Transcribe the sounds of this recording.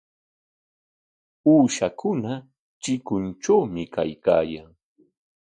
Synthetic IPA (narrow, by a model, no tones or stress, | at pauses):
uːʃakʊna | t͡ʃɪkʊnt͡ʃawmɪka̰jka̰ːjaŋ